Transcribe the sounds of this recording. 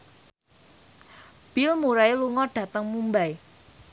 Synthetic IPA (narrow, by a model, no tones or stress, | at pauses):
b̥ilmuɾaeluŋɔɖ̥ä̤t̪əŋmumbaj